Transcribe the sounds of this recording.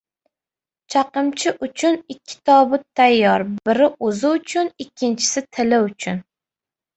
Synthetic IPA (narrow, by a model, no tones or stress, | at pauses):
t͡ʃʰɑqɨmt͡ʃʰɪʔʊt͡ʃʰʊnɪkʲʰːɪ̥t̪ʰɒbʊt̪ʰːajːɒɾbɪɾɪʔozɪʊt͡ʃʰʊnɪkʲʰːɪnt͡ʃʰɪ̥sɪt̪ʰɪlɪʊt͡ʃʰʊn